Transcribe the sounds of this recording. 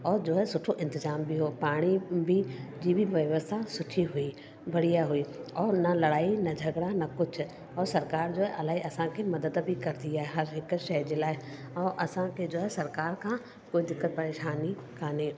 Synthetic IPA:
ɔːɾd͡ʑoːesʊʈʰoʔɪ̃nt̪ɪzaːmbɪɦoːpaːɽ̃ibid͡ʑiːbʱiʋɐʋəst̪ʰasʊʈʰiɦui | bɐɽ̤ijaɦuiːɔːnɐlɐɽaːinɐd͡ʑʱɐɡɽanɐkʊd͡ʑʰʱʊ̆ | ɔːɾsɐɾkaːɾd͡ʑoːɦeʔɐlaːɦiʔɐsãkʰemɐd̪əd̪bʱikɐɾɪt̪iaːɦeɦɐɾɦɪkʃɐjd͡ʑeːlaːɪ | ɔːʔɐsãkʰed͡ʑoːɦesɐɾkaːɾkʰãː | koːid̪ɪkːət̪̚pɐɾeːʃaːni | kʰaːnẽː

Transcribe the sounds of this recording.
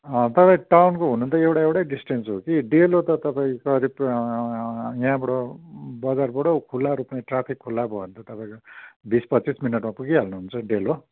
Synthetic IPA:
ʌ̃t̪ʌpaĩʈawnkoɦunũnt̪ʌewʈaewʈajɖisʈensɦokiɖelot̪ʌt̪ʌpaĩkʌɾib | jãbʌɽobʌd͡zarbʌɽokʰulːaɾupnajʈrapʰikʰːulːabʱʌunt̪ʌt̪ʌpãĩkobispʌt͡sːisminʌʈmapuɡiɦalnuɦunt͡sʰʌɖelo

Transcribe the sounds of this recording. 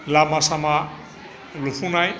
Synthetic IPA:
lamasama | lupʰunaj

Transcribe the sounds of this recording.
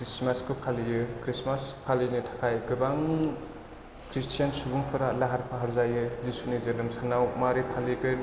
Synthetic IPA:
kɾismaskɯpʰalijɯkɾismaspʰalinitʰḁkʰajkɯbaŋ | kɾistʰijansubuŋpʰɯɾalaɦaɾpʰaɦaɾzajɯzisunizɐnɯmsanawmaɾipʰalikɯ

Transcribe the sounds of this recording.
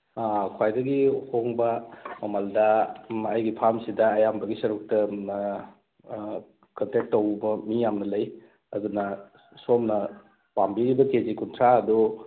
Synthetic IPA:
akʰwajdɐɡihoŋbɐmɐmaldɐɐjɡipʰamsidɐːjambɐɡisɐɾuk̚tɐ | kɐntek̚tːowbɐmijamnɐlɐj | ɐdunɐ | somnɐ | pambiɾibɐkezikuntʰɾaɐdu

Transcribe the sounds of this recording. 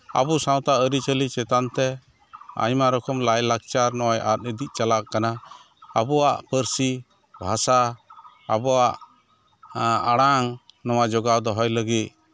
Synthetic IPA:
a̰busãw̃t̪aʔəɾit͡ʃəlit͡ʃɛt̪ant̪ɛ | a̰ɲmaɾɔkʰɔmlajlaɡ̚t͡ʃaɾnɔwajʔa̰t̪̚əd̪iʔ̚ˀt͡ʃalaʔkana | abɔwaʔpəɾsi | bʱasa | a̰bɔwaʔ | aɽaŋnɔwad͡ʒɔɡawd̪ɔɦɔjləɡit̪̚

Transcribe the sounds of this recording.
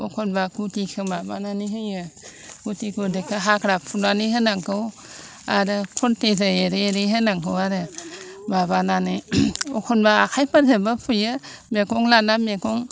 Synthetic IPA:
ɔkʰɔnbakutikʰɯmaba̰naniɦɯjɯɡ̥utikudɯkʰɯɦakʰɾapʰunaniɦɯnaŋkɯw | aɾɯkʰɔntezaeɾeeɾejɦɯnaŋkʰɯwaɾɯmabananɯokʰɔnbaːkʰajpanzɯbapʰɯjɯ | mekɔŋlanamekɔŋ

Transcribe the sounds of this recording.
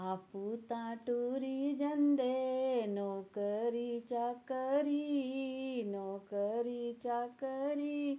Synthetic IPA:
aput̪ãːʈuɾid͡ʒɐnd̪enoːkəɾit͡ʃakəɾi | noːkəɾit͡ʃakəɾi

